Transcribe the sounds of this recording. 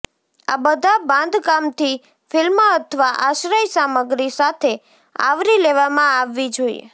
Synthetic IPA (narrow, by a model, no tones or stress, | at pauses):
a̰bəd̪ʱabãnd̪ʱkamt̪ʰi | fɪlməət̪ʰəʋaʔaʃɾəjsaməɡɾisat̪ʰe | a̰ʋɾileʋamãaʋːid͡ʒoḭḛ